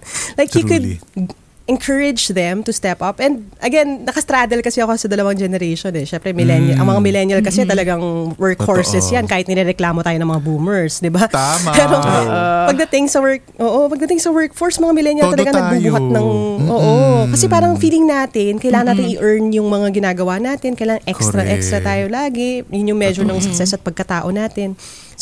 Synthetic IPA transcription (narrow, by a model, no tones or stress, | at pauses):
lajkukʊd̪ | ʔɛnkʰɐɹɪd͡ʒðɛmt̪ʊst̪ɛpɐpɛnd̪̚ʔɐɡɛnːɐkɐst̪ɾad̪ɛlkɐsɛɐkosɐd̪ɐlɐwɐŋd͡ʒɛnɛɾeʃonɛʃɛmpɾɛmɪlɛnjɐʔɐ̰ŋmɐŋamɪlɛnjɐlkɐsɛt̪ɐlɐɡaŋwɛɹkfoɹsɛsjankaːhɪt̪nɪɾɛɾɛklaːmo̞t̪aːjoɐŋmɐŋabumɛɹsd̪ɪbapɛːɾopɐɡ̚d̪ɐt̪ɪŋsɐwɛɹk̚ʔoːʔopɐɡ̚d̪ɐt̪ɪŋsɐwɛɹk̚foɹsɐmɐŋamɪlɛnjɐlt̪ɐlɐɡaŋnɐɡ̚bubuɦɐt̪̚nɐŋʔoːʔokɐsɛpaːɾɐŋfiːlɪŋnaːt̪ɪnkɐjlaːŋɐnaːt̪ɪnɪʔɛɹnjʊŋmɐŋaɡɪnaːɡɐwaʔnaːt̪ɪnkɐjlaːŋɐŋʔɛkst̪ɾɐʔɛkst̪ɾɐt̪aːjo̞laːɡɛjʊnjʊŋmɛʃɔɹnɐŋsɐksɛsɐt̪̚pɐɡ̚kɐt̪aːʔo̞naːt̪ɪn | s